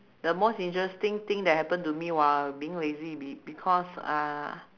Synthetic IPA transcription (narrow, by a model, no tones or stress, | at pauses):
dəmosĩntɹɛstĩŋt̪ĩŋdɛt̚hɛpə̃ntumiwɔlbiĩŋlezibibikʰɔsa̰